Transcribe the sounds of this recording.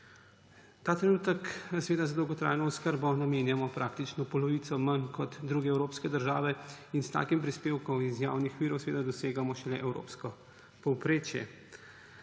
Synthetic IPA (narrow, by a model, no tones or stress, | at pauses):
t̪aːt̪ɾɛnuːt̪əkseʋeːd̪azad̪ɔwɡɔt̪ɾa̰ːjnɔwskəɾbɔnameːnjamɔpɾʔaːkt̪it͡ʃnɔpɔlɔʋiːt̪sɔmankɔt̪d̪ɾuɡɛːwɾoːpskɛd̪əɾʒaːʋɛinst̪a̰ːkimpɾispeːwkɔmizjaːwnixʋiːɾɔwseɛʋḛːd̪ad̪ɔseːɡamɔʃɛlɛʔɛwɾo̰ːpskɔ | pɔwpɾeːt͡ʃjɛ̰